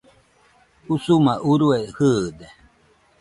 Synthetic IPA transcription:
usumãʔuɾuehɯːd̪e

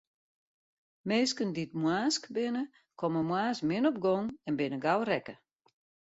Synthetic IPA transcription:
meːskənditmwaːskbɪnə | kʰɔməmwaːsmɪnɔp̚ɡɔŋɛnbɪnəɡawrɛkə

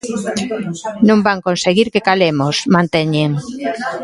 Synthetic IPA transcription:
nõmbaŋkonseɣiɾkekalemosmãnt̪eɲeŋ

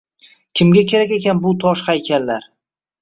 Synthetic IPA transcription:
kʲʰɪmɡʲakʲʰe̞ɾakʲekʲanbʊt̪ʰɒʃχajkʲʰanlaɾ

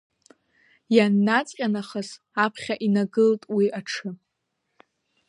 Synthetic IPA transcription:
janːat͡sʼqʲʼanaχəz | apʰχʲaʔinaɡɨltʼwiʔaʈ͡ʂʰɨ

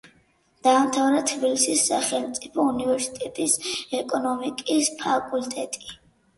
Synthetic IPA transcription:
d̪̥aːmt̪ʰavɾat̪ʰbilisisːaχɛlmt̪sʼipʰɔunivɛɾsi̥t̪ʼɛt̪ʼisɛkʼɔnɔmikʼispʰakʼult̪ʼɛt̪ʼi̥

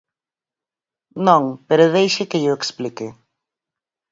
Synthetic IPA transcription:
nõŋpeɾʊðejʃɪkɪʎʊeksplikɪ

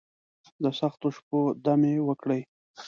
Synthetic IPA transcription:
d̪əsaxt̪oʃp̚od̪amewəkɽəj

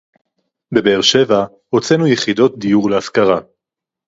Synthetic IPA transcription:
be̞beːʁʃe̞va | ʁot͡senujeχid̪o̞t̚d̪ijuʁleaskaʁa

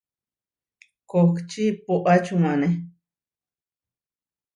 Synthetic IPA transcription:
kokt͡ʃipoʔat͡ʃumãnẽ

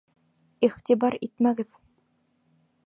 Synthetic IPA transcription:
iχt̪ibɑɾḭt̪mæɡɘð

